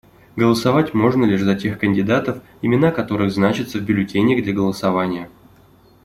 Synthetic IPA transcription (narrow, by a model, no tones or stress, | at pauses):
ɡəlˠəsɐvatʲmo̞ʐnəlʲɪʂzɐtʲe̞xkənʲdʲɪd̪at̪əf | ɪmʲɪn̪akɐt̪o̞ɾɨɣznat͡ɕɪt̪səvbʲʊlʲɪtʲenʲəɣd̪lʲɐɡəlˠəsɐvanʲɪjə